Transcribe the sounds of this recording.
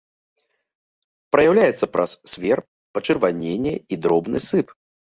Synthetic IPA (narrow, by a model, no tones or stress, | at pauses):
pɾɐjawlʲajɛt̪sːɐpɾʔɐ̰sːʲvʲɛr | pɐt͡ʂɨrvanʲenʲːɛid̪ɾɔbnɨsɨp